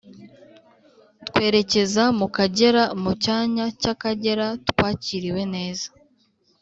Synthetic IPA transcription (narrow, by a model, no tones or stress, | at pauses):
tkwe̞ːɾe̞ce̞zamukaɟe̞ɾamucaːɲacakaɟe̞ɾatkwaːciɾiwe̞ne̞ːzḁ